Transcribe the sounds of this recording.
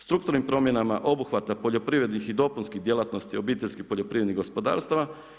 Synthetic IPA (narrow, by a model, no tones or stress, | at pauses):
st̪ɾukt̪uɾnimpɾo̞mje̞namaʔo̞buxʋat̪apoʎo̞pɾiːʋɾe̞d̪nixid̪o̞punskiɣd̪je̞lˠat̪no̞st̪io̞biːt̪eʎʲskipo̞ʎo̞pɾiːʋɾed̪niɣɡo̞spo̞d̪a̰ːɾst̪aʋa